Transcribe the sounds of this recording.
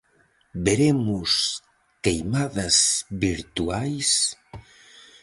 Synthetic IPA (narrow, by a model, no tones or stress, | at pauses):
beɾemus | kejmaðazbiɾt̪uajs